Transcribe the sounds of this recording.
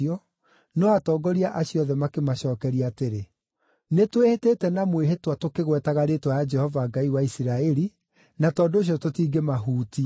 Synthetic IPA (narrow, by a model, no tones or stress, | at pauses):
ɔ | nɔatɔːɡɔɾiaʔaɕiɔðɛmakemaɕɔːkɛɾiaːteɾe | netweheteːtɛnamweɦetwatokeɣwɛtaɣaɾeːtwajad͡ʒɛhɔvaɡaiwaisiɾaɛɾi | natɔːndoːɕ̬jɔtotiːɡemaɦuːti